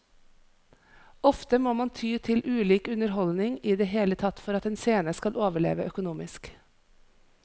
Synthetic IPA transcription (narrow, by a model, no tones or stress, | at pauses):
ɔft̪əmoːmɑnt̪ʰyːt̪ʰɪlʔʉːliːkʉnəɾɦɔlnɪŋiːd̪eːɦeːlət̪ʰɑt̪ːfɔɾɑt̪ɛːnseːnəskɑlʔoːʋəɭḛːʋəʔœkʊnuːmɪsk